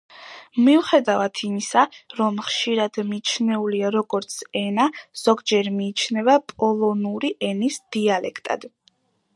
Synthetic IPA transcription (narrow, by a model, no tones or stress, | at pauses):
miuχɛd̪avat̪ʰimisaɾɔmχʃiɾad̪̥mit͡ʃʰnɛuliaɾɔɡɔɾt̪sʰɛnaz̥ɔɡd͡ʒɛɾmiːt͡ʃʰnɛvapʼɔlˠɔnuɾiʔɛnisd̪̥ialɛkʰt̪ʼa̰d̪̥